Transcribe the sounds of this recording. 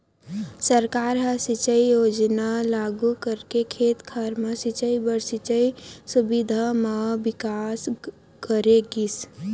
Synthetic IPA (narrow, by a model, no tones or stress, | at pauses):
səɾkaːɾɦasit͡ʃəijoːd͡ʒnalaːɡukəɾkekʰeːt̪kʰaɾmãsit͡ʃəibəɾsit͡ʃəisubid̪ʱamabɪkaːs | kəɾeɡis